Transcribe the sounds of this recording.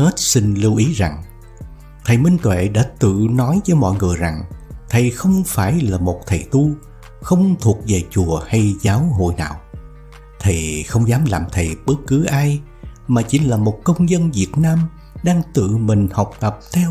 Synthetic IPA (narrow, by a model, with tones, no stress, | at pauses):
he˦˥t̚si˧ŋ̟lɨ˧wʔi˨˦za˨˩ŋ | t̪ʰə˨˩jmï˧ŋ̟t̪wḛ˧˨ɗa̰ː˧˥t̪ɨ̰˧˨nɔ˨˦jvəː˨˦jmɔ̰˧˨jŋɨ˨˩əjza˨˩ŋt̪ʰə˨˩jxə˧wŋ͡mfaː˧˩jlaː˨˩mo˨˩t̚t̪ʰə˨˩jt̪u˧ | xə˧wŋ͡mt̪ʰu˨˩ək̚ve˨˩t͡ɕu˨˩əha˧jzaː˨˦wɦo̰˧˨jna̰ː˨˩w | t̪ʰi˨˩xə˧wŋ͡mzaː˨˦mlaː˨˩mt̪ʰə˨˩jɓə˦˥k̚kɨ˨˦ʔaː˧j | maː˨˩t͡ɕi˨˦nlaː˨˩mo˨˩t̚kə˧wŋ͡mzə˧nvi˨˩ət̚naː˧m | ɗaː˧ŋt̪ɨ̰˧˨mï˨˩ŋ̟ha˨˩wk͡p̚t̪ə˨˩p̚t̪ʰɛ˧w